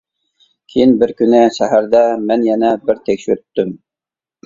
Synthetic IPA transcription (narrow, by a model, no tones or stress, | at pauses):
kʲʰejinbɪɾkʲynɪʃæɦæɾd̪ɛmɛnjɛnɛbɪɾt̪ʰɛkʲʃyɾyt̪ːym